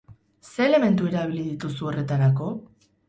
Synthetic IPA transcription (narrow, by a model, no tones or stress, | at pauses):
se̞ːle̞me̞nt̪ue̞ɾaβiliðit̪usuo̞re̞t̪aɾako̞